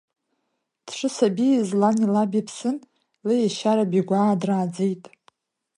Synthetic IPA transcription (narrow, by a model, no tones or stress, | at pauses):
d̥ʂʰɨsabizlanilabipʰsɨn | lejaʃaɾabiɡʷaːdraːd͡zejtʼ